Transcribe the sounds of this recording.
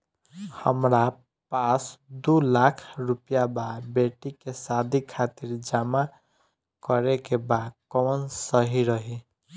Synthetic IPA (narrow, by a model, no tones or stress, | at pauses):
həmɾa | pasd̪ulakʰɾupjababeʈikesad̪ʱikʰat̪iɾd͡ʒama | kəɾekebad̪kɔnsəɦiɾəɦi